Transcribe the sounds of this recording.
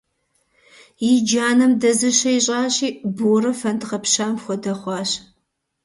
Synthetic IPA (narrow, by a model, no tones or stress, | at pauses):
jɪd͡ʒaːnɨmdɐzɨɕɐjɕʼɑːɕiːbuɾɐfɐntʁɐpɕaːmxʷɔdɐχʷɑːɕ